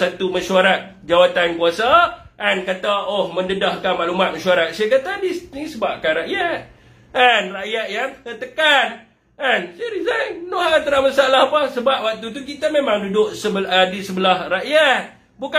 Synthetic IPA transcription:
sat̪umaʃuaɾat̪̚ | d͡ʒawat̪ankuasa | ʔːnkat̪aohməndədahkanmaʔlumat̪̚maʃuaɾat̪̚saakat̪adinisəbap̚kanɾaʔjat̪̚ | anraʔjaʔ̪̚jaŋət̪əkan | ansaɾizajnoɦaat̪əɾaʔmasalahapəsəbap̚wak̚t̪ut̪̬uk̬it̪amemãŋdudʊʔ̚səbədisəbəlahraʔjat̪̚ | buka

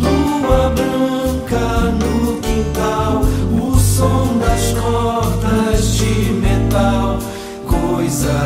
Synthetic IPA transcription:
lu | ɐbɾɐ̃ | kɐnʊkĩt̪awʊsõw̃d̪ɐskɔt̪ɐzd͡ʒɪmet̪al | kojzɐ

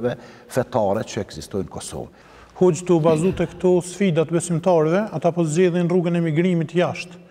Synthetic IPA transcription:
vɛfɛt̪aɾɛt͡ʃəɛɡzist̪ɔjnəkɔsɔ̰v | hɔd͡ʑt̪ubazut̪ɛkt̪ɔsfid̪at̪bɛsimt̪aɾɛvɛat̪apɔzd͡ʑɛðinruɡənɛmiɡɾimit̪jaʃt̪

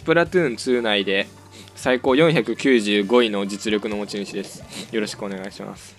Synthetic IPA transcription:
pɯ̟ɾat̪ɯːnt͡sɨːnaid̪e̞ | saiko̞ːjõɰ̃çakɯ̟kʲɨːʑɨːɡo̞ino̞d͡ʑit͡sɨɾʲo̞kɯ̟nomot͡ɕĩɕid̪e̞sɨ̥jo̞ɾoɕi̥kɯo̞ne̞ɡaiɕima̰sɨɨ̥

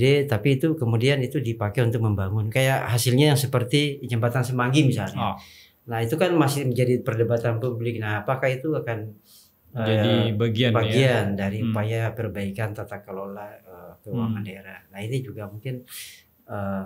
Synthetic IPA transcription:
dɛt̪apiːt̪ukəmudianit̪udipakɛunt̪ʊk̚məmbaŋʊnkajaʔhasɪlɲajaŋsəpərt̪id͡ʒəmbat̪ansəmaŋɡimisalɲa | nahit̪ukanmasɪhməɲd͡ʒadipərdəbat̪anpublɪk̚naɦapakait̪uakan | əaibaɡibaɡiandaɾiupajapərbaikant̪at̪akːəlolaəapəwaŋandaeɾahnahinid͡ʒuɡamuŋkɪn | ə

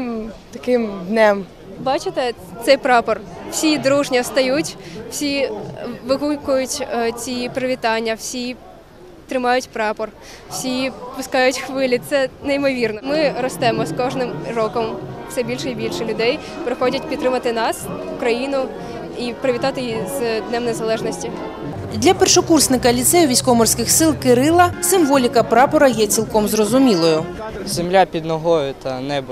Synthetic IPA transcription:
t̪ɐkɪmd̪nɛm | bɑt͡ʃɪt̪ɛ | t̪sɛjpɾɑpɔrw̥sʲid̪ɾuʒnʲiɔst̪ɐjutʲw̥sʲi | ʋɪɦukʊjʊtʲt͡sʲipɾɐʋʲit̪ɑnʲːɐwsʲi | t̪ɾɪmɑjʊtʲpɾɑpɔr | wsʲipʊskɑjʊtʲxʋɪlʲit̪sɛnejmɔʋʲirnɔmɪɾɔst̪ɛmɔskɔʒnɪmrɔkɔmwsɛbʲilʲʃɛibʲilʲʃɛlʲʊd̪ɛj | pɾɪxɔdʲɐt̚ʲpʲid̪ɾɪmɐt̪ɪnɑsʊkɾɐjinʊ | ipɾɪʋʲit̪ɑt̪ɪjizd̪nɛmnezɐlˠɛʒnɔsʲtʲi | d̪lʲɐpɛrʃɔkursʲnɪkɐlʲit̪sɛjʊʋʲisʲkɔmɔrsʲkɪxsɪlˠkɪɾɪlˠɐsɪmʋɔlʲikɐpɾɑpɔɾɐjɛt͡sʲilˠkɔmzrɔzʊmʲilˠɔjʊ | z̥emlʲapʲid̪nɔɦɔjʊt̪ɐnɛb

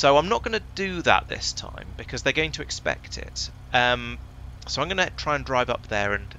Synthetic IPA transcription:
soʊãɪ̃mnəʔ̚ɡ̥ʌnədəðə̰ʔ̪̚ðɪ̰stʰã̰ɪ̃mb̥ɨkʰʌzðəɡoʊɪ̃ŋtʰəɪkspɛ̰k̚tʰɪ̰t | ʌ̃m | soʊãɪ̃mɡʌnətʰɹ̥aɪə̃ndɹaɪvʌ̰p̚ðəɹə̃n

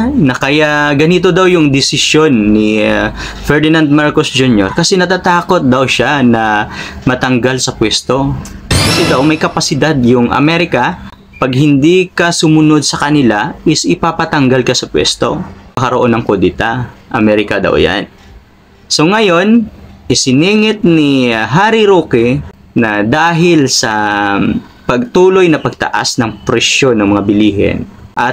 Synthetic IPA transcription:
nɐkɐjaɡɐnit̪̬o̞d̪awjʊŋd̪ɪsɪsjo̞nːɪ | fɛɹd̪ɪnand̪̚maɹkosd͡ʒunjo̰ɾkɐsɛnɐt̪at̪aːko̞t̪̚d̪ɐwʃanɐmɐt̪ɐŋɡalsɐpwɛst̪o̞kɐsɛd̪ɐwmɐjkɐpɐsɪd̪ad̪jʊŋʔɐ̰mɛɾɪkɐ | pɐɡ̚hɪnd̪ikɐsʊmʊno̞d̪̚sɐkɐnɪlaʔɪsʔɪpapɐt̪ɐŋɡalkɐsɐpwɛ̰st̪o̞̰mɐkɐɾoʔo̞nːɐŋkod̪ɪt̪aʔɐmɛɾɪkɐd̪a̰wja̰n | so̞ŋɐjo̞nʔɪsɪniːŋɪt̪̚nɦaːɾiɾoːkɪ | nɐd̪aːɦɪlsɐ | pɐɡ̚t̪uːlo̞jnɐpɐɡ̚t̪ɐ̰ʔa̰snɐŋpɾɛʃjo̞nːɐŋmɐŋabɪliːɦɛ̰nʔɐt̪̚

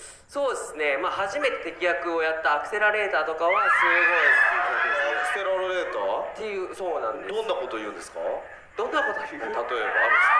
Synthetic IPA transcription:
so̞ːd̪e̞sɨne̞maːhaʑime̞t̪e̞t̪e̞kʲijakɯo̞jat̪ːaːkɯ̟̥se̞ɾaɾe̞ːt̪aːt̪o̞kao̞kasɨezoːd̪eskekɯ̥seɾaɾɾe̞ːt̪aːt̪ːe̞jɯ̟ːsoːnãnd̪ed̪õ̞nːako̞t̪o̞iɯ̟̃nesɨ̥ka̰ | d̪̥õ̞nːako̞t̪ot̪at̪o̞eba̰

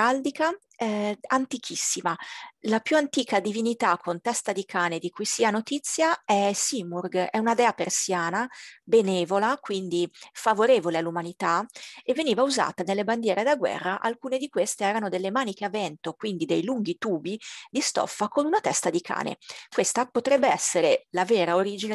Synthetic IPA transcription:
ald̪ika | ɛant̪ik̟ʰisːimalapjuant̪iːkad̪ivinit̪akʰːont̪ɛst̪ad̪ikʰaːned̪ikʰujsiːanot̪it̪sːjaɛsimurɡɛunad̪ɛːapersjaːnabenɛːvolakwind̪ifavoɾeːvolealːumanit̪aevːeniːvauza̰ːt̪anelːeband̪jɛːɾed̪aɡwɛ̰rːaʔalkuːned̪ikwest̪eɛːɾanod̪elːemaːnik̟eavɛnt̪okwind̪id̪ejluŋɡit̪uːbid̪ist̪ɔ̰fːakonunat̪ɛst̪ad̪ikʰa̰ːnḛkwest̪apot̪ɾɛbːeɛsːeɾelavɛːɾaoɾiːd͡ʒine

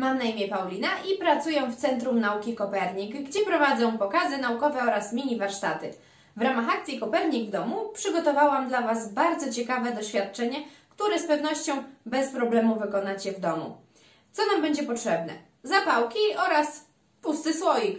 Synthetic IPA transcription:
mamnaimʲjɛpawlʲinaʔipɾat̪sujɔ̃w̃ft̪sɛnt̪ɾumnaukʲikɔpɛɾɲikɡd͡ʑɛpɾɔvad̪zɔ̃w̃pɔkazɘnaukɔvɛɔɾasmʲiɲivaɾʂt̪a̰t̪ɘ | vɾamaxak̚t̪sʲjikɔpɛɾɲiɡvd̪ɔmupʂɘɡɔt̪ɔvawamd̪lavasbaɾd̪zɔt͡ɕɛkavɛd̪ɔɕfʲjat̪̚t͡ʂɛɲɛkt̪uɾɛspɛvnɔɕt͡ɕɔ̃w̃bɛspɾɔblɛmuvɘkɔnat͡ɕɛvd̪ɔmṵ | t̪sɔnambɛɲd͡ʑɛpɔtʂɛbnɛ̰ | zapawkʲiɔɾas | pust̪ɘswɔjix

